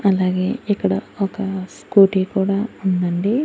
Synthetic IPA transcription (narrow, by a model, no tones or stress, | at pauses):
ɐlːaːɡeɛkːɐɽɐɔkɐskuːʈikuːɽɐund̪ɐɳɖi